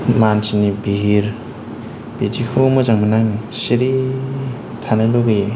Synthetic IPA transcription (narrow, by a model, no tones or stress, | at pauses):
mansinibiɦiɾ | b̥id͡ʒikʰomɯzaŋmanaŋsiɾi | tʰanɯloɡi